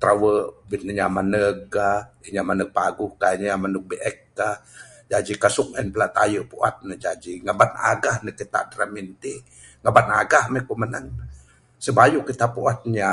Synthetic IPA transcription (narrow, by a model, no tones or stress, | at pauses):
t̪ɾawəʔbit̪̚nəɲamanək̚ːaəɲamanək̚paɡʊhkaɲamanuk̚beʔɛk̚ːa | d͡ʒad͡ʒikasuk̚ɛnpəlaʔt̪a̰jəʔpuʔa̰t̪̚nəd͡ʒad͡ʒiŋabana̰ɡahnəkit̪a̰ʔdɾamint̪i | ŋabana̰ɡahmekomənaŋ | səbajuʔkit̪apuat̪̚ɲa